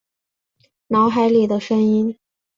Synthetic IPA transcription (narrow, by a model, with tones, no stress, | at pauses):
nɑ˧˥ʊxa˧˥ɪli˨˩d̪ə˦ʂə˥ni˥n